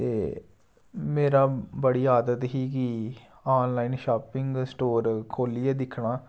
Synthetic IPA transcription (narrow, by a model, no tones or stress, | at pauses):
t̪eː | meːɾaːbəɽiːaːd̪ət̪ɦiːki | aːnlaːɪnʃaːpɪŋɡsʈoːɾkʰoːliɛːd̪ɪkʰːɳaː